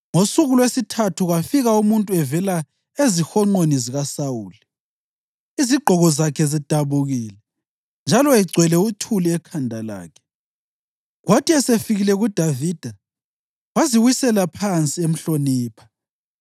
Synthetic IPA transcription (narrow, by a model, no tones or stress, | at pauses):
ŋosuɣulwesitʰatʰuɣafiɣaumuntʼuɛvɛla | ezixɔŋ͡ǃoniziɣasauːli | iziɡ͡ǃʱɔɣɔzakʰɛzid̥ʱaβuɣiːlɛ | nd͡ʒʱalɔɛɡ͡ǀʱwɛlɛutʰuliɛkʰandʱala̰ːkʰɛ̥ | ɣwatʰʼiɛsefiɣilɛɣud̥ʱaviːd̥ʱa | waziwisɛlapʰant͡sʼiem̩ɬoniːpʰḁ